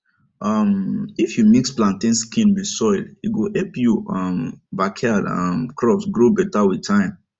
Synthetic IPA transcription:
ʌmifjumiksplãntĩnskĩnwisɔɪliɡohɛlpjuɔmbakʰadʌ̰̃mkʰɹɔpsɡɹobɛtawitʰãɪ̃m

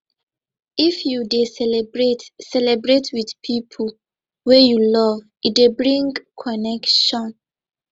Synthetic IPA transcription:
ifjudesɛlɛbɹetsɛlɛbɹetʰwidpʰipʰu | wɛjulɔv | idebɹĩŋkʰɔnɛkʃɔ̃n

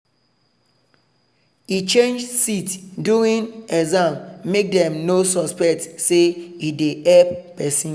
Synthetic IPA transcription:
it͡ʃẽnd͡ʒsitduĩnɛzãmmek̚dɛ̃mnosɔspɛk̚tseideɛp̚pɛsĩn

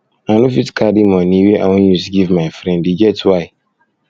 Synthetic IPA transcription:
anufitkʰadimɔ̃niweʔa̰wɔ̃njusɡivmaɪfɾɛ̃ndiɡɛtwaɪ

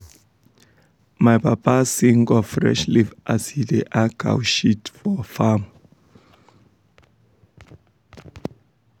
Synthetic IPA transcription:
majpʰapasiŋɡɔfrɛ̰ʃlivasidɛʔaɡa̰wʃitfɔfam

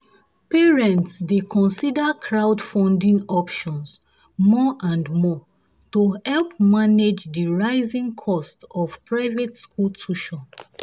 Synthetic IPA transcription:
pɛɹɛ̃ntsdekʰɔ̃nsidakʰɹawdfɔ̃ndĩŋɔpʃɔ̃ns | mɔʔãndmɔ | tohɛlpmaned͡ʒdiɹaɪzĩŋkʰɔstɔv̥pɹaɪvetskʰultʰuʃɔ̃n

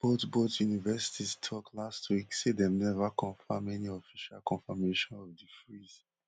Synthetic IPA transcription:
b̥otbotjunivɛsi̥tʰistʰɔklastwiksedɛ̃mnɛvakʰɔ̃nfãmɛniɔfiʃalkɔ̃nfameʃɔ̃nɔvdifɹiz

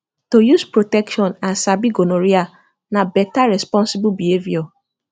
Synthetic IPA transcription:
tojuspɾotɛkʃɔ̃nãnsabiɡonõɾia | nãbɛtaɾɛspɔ̃nsibubieviɔ

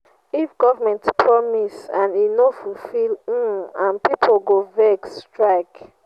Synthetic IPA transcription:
ifɡɔvamɛ̃ntpʰɹɔmisãninofufilm̩ãnpipʰoɡovɛkstɹaɪk

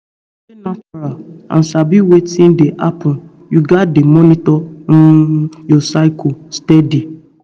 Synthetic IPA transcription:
enãfɾaã̰n̩sabiwetĩndeʔa̰pʰɔ̃n | juɡatdemɔnitɔn̩jɔsaɪkʰostɛdi

